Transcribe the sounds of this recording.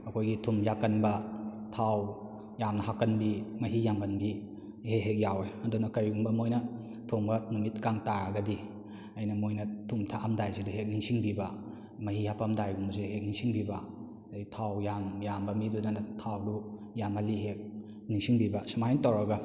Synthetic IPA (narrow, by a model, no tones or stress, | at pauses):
ɐkʰojɡitʰumjakːɐnbɐtʰaw | jamnɐɦakːɐnbimɐɦijambɐnbi | heɦek̚jaweɐdunɐkɐɾiumbɐmojnɐ | tʰumɡɐnumit̚kaŋtaɾaɡɐdi | ɐjnɐmojnɐtʰumtʰaʔamdajsiduɦek̚niŋsiŋbibɐ | mɐɦihapamdajɡumuzeɦek̚niŋsiŋbibɐ | ajtʰawjamjambɐmidunɐnatʰawdu | jamɐliɦek̚ | niŋsiŋbibɐsumajntawɾɐɡɐ